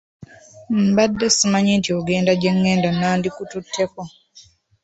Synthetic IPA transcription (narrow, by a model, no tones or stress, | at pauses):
m̩badːesimaɲintioɡe̞ːndaɟeŋːeːndanaːndikututʰːeko